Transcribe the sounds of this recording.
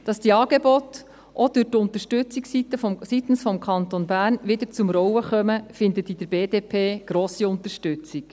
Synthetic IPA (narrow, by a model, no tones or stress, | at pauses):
d̥ɑsd̥iːɑːɡ̥ebɔt | ʔɔd̥̪ʉtʊnt̪əɾʃtʉt͡siksitəfsit̪n̩sfɔmkʰɑnt̪onbæːɾnʋɪd̪əɾt͡sʊmɾɔwəχœməfɪnd̪ət̪id̥̪ɾbeːdeːpʰeːɡ̥ɾoːsiʊnt̪əʃtʉt͡sik